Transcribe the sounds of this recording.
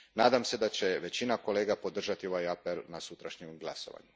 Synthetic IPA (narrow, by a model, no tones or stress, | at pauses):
naːd̪amse̞d̪at͡ɕe̞ʋe̞t͡ɕinako̞le̞ːɡapo̞d̪r̩ʒat̪io̞ʋajapelnasut̪ɾaʃɲemɡlˠa̰so̞̰ʋa̰ɲu